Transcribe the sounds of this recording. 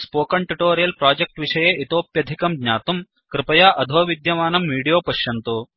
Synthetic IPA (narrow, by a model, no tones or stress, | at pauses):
spoːkɐɳʈuʈoːɾijɐlpɾaːd͡ʒek̚ʈʋiʂɐjeːʔit̪oːpjɐd̪ʱikɐmɡɲaːt̪um | kɾɪpɐjaːʔɐd̪ʱoːʋid̪jɐʋaːnɐmːiːɽijoːpɐʃjɐnt̪u